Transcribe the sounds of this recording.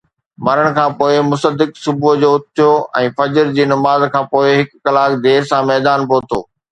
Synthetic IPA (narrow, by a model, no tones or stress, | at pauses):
mɐɾəɽ̃̆kʰãːpoːɪmʊsəd̪ɪksʊbud͡ʑoːʊt̪̚t̪ʰijoːɛ̃ːfɐd͡ʑəɾd͡ʑiːnɐmaːzkʰãːpoːɪɦɪkːɐlaːkd̪eːɾsãmɛːd̪aːnpoːt̪ʰo̰ː